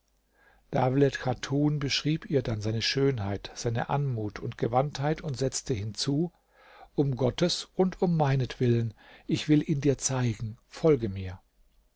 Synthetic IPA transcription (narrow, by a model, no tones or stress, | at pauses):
d̥aːvlɛtkʰatʰuːnbəʃʁ̥iːpiːɐdanzaɪnəʃøːnɦaɪtz̥aɪnə̰ʔanmuːtʰʊntɡ̥əvanthaɪtʊntz̥ɛt͡stəhɪnt͡suː | ʔʊmɡɔtʰəsʔʊntʰʊmːaɪnətv̥ɪlənʔɪçv̥ɪlʔiːndiːɐt͡saɪɡŋ̩fɔlɡəmiːɐ